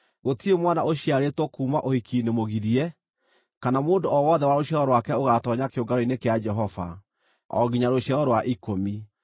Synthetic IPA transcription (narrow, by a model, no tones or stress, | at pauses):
ɣotiemwanaoɕijaɾetwɔkuːmaʔohikʰiːnemoɣiɾiɛ | kanamoːndoɔwɔðɛwaɾoɕɛɾɔɾwakɛoɣatɔɲakeoɡaɾɔinekead͡ʒɛɦɔva̰ | ɔ̰ɣiɲaɾoɕɛɾɔɾowaʔikomi